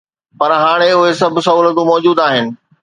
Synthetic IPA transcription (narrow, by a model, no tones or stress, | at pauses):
pɐɾɦaːɽ̃eʊɦesɐbʱsɐuːlət̪ũmɔːd͡ʑuːd̪aːɦɪnɪ̆